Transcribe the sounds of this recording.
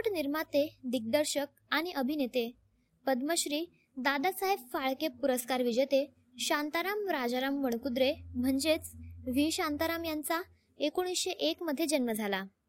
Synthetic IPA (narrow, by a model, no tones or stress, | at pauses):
ʈniɾmat̪ed̪ik̚d̪əɾɕək̚aɽ̃iʔəbʱinet̪e | pəd̪məɕɾiː | d̪ad̪asaɦeʋfaɭkepuɾəskaɾʋid͡ʑet̪e | ɕãnt̪aɾamɾad͡zaɾamʋəɳ̃kud̪ɾem̤əɳd͡ʑet͡sʋiɕant̪aɾamjant͡sa | ekoɽ̃isɕeʔekməd̪ʱːjed͡ʑənməd͡zʱala